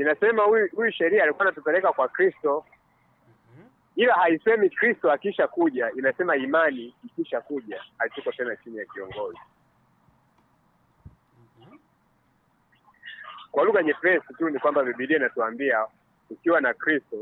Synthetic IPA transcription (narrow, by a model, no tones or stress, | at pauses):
inasɛmahuhujuʃɛɾiaːlikuanatupɛlɛkakwakɾistɔ | ilahaisɛmikɾistɔakiʃakuʄainasɛmaimaniːkiʃakuʄahatukɔtɛnat͡ʃinijakiɔŋɡɔzi | kwaluɣaɲɛpɛsitunikwambaviɓiliɛnatuambia | ukiwanakɾistɔ